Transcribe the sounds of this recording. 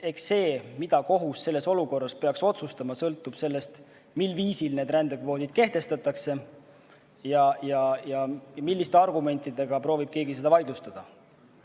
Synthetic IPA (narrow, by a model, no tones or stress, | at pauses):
e̞ksːe̞ːmid̪̥ɑko̞ɦusːe̞lːe̞so̞luko̞rːɑspe̞ɑkso̞t̪sust̪ɑmɑsɤlt̪ːˑub̥se̞lːe̞st̪ | milːviːsilneːd̪ɾænd̪e̞kvo̞ːd̪̥id̪̥̚ke̞ht̪e̞st̪ɑt̪ːˑɑkse̞ | jɑjɑjɑmilːist̪e̞ɑrɡume̞nt̪ˑːid̪̥e̞ɡ̥ɑpɾo̞ːvib̥̚ke̞ːɡise̞d̪ɑvɑjd̪lust̪ɑd̪̥ɑ